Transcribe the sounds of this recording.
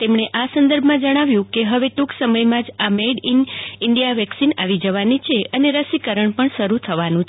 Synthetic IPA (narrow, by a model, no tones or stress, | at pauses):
t̪emɳ̃eʔasənd̪əɾbʱmãd͡ʒəɽ̃aʋjũkeɦəʋet̪uksəməjmãd͡ʒameɖinɪɳɖijaʋɛksinaʋid͡ʒəʋanit͡ʃʰeəneɾəsikəɾəɳpəɳʃəɾut̪ʰəʋanũt͡ʃʰ